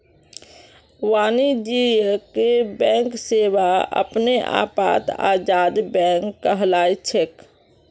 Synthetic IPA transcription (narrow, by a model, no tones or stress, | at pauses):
waːnid͡ʒijəkebɛ̃ːŋkseːwaə̰pneʔa̰ːpa̰ːt̪a̰ːd͡ʒaːd̪bɛ̃ːŋkːəɦlaːit͡ʃʰek